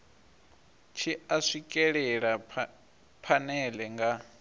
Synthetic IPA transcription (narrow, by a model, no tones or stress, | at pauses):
t͡ʃʰiaʂikʼɛɺɛɺa | pʰanɛlɛŋɡa